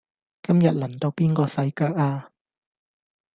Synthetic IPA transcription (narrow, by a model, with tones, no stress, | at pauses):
kɐ˥mjɐ˨t̚lɐ˨˩ŋt̪o˧wpiː˥nkɔː˧sɐ˧jkaː˧˥k̚aː˧